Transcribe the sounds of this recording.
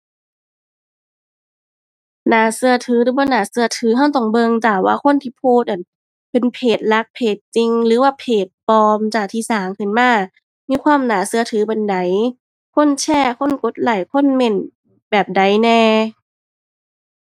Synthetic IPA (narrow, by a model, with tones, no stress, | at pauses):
naː˨˦sɯ˧ɐt̪ʰɯː˨˦ɾɯː˨˦bɔː˧˦˩naː˨˦sɯ˧ɐt̪ʰɯː˨˦ɦa˧˩wt̪ɔ˧˩ŋbɤ˧ŋt͡ɕaː˨˩waː˧kʰo˧˥˨nt̪ʰiː˧˩pʰuː˧˩t̪̚ʔa˨˩n | pe˧˨npʰeː˨˩t̪̚la˧˦˥k̚pʰeː˨˩t̪̚t͡ɕi˧ŋlɯː˨˦waː˧pʰeː˨˩t̪̚pɔː˧mt͡ɕaː˨˩k̚t̪ʰiː˧˨saː˨˩˦ŋkʰɯ˧˩˨nmaː˧˥˩ | miː˧˥˧kʰwaː˧˥˨mnaː˨˦sɯ˧ɐt̪ʰɯː˨˦pa˧˨nda˨˦j | kʰo˧˥˨nt͡ɕʰɛː˧˥˩kʰo˧˥˨nko˨˦˥t̪̚laː˨˩jkʰo˧˥˨nme˧˩n | bɛː˨˩p̚da˨˦jnɛː˧